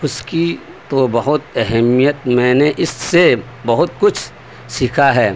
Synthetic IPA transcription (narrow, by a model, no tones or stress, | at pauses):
ʊski | t̪obɐɦʊt̪ɛɦɛmijət̪̚mɛ̃ːneʔɪsːe | bɐɦʊt̪kʊt͡ʃʰ | siːkʰaɦɛː